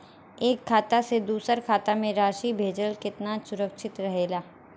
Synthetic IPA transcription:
eːkʰːaːt̪ased̪uːsəɾkʰaːt̪amẽɾaːʃibʱeːd͡ʒəlkɪt̪nasʊɾəkʃɪt̪ɾɐɦeːlaː

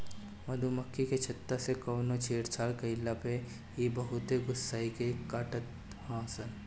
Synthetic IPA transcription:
mɐd̪ʱumɐkʰːiket͡ʃʰɐt̪ːasekoːnõt͡ʃʰeːɾt͡ʃʰaːlkɐɪlːape | jebɐɦʊt̪eɡʊsːaːikekaːʈət̪ | ãːsən

